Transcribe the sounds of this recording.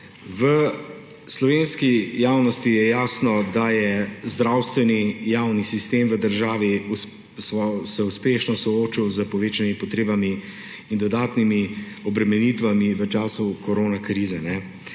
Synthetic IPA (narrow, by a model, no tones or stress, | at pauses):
ʋə | slɔʋeːnskijaːwnɔst̪ijɛjaːsnɔd̪ajɛzd̪ɾawst̪ʋɛnijaːwnisist̪eːmʋəd̪əɾʒaːʋiu | sɔsɛuspeːʃnɔsɔoːt͡ʃiwzəpɔʋeːt͡ʃanjmipɔt̪ɾeːbami | ind̪ɔd̪aːt̪nimi | ɔbɾɛmɛniːt̪ʋamiʋət͡ʃaːsukɔɾoːnakɾiːzɛnɛ